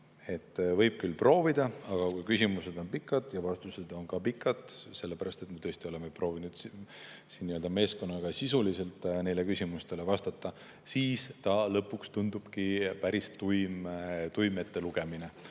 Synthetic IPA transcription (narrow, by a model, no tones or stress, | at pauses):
e̞t̪ːˑvɤ̞jb̥̚kylpro̞ːvid̪̥ɑɑɡ̥ɑkujkysʲimuse̞d̪̥o̞npikːˑɑd̪̥jɑvɑst̪used̪̥o̞nkɑpikːˑɑd̪̥se̞lːepæɾɑst̪e̞t̪met̪ɤest̪io̞le̞mepro̞ːvinud̪̥ | sinːiøld̪ɑme̞ːsko̞nːɑɡ̥ɑsisulise̞lt̪ːˑne̞jle̞kysʲimust̪e̞le̞vɑst̪ɑt̪ˑːɑ | siːst̪ɑlɤpːˑukst̪und̪̥ub̥kipæɾist̪ujmt̪ujmet̪ːe̞luɡ̥e̞mine̞